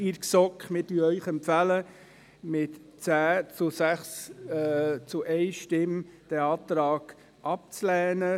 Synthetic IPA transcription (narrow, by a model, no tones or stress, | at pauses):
iɾksɔkχmɪdyːəœʏχɛmpfælə | mɪtt͡sæːt͡sʊsæχs | t͡sʊʔɛɪʃtɪmd̥ɛɑːt̪ɾɑːɡ̥ | ʔɑp̚t͡slɛːnə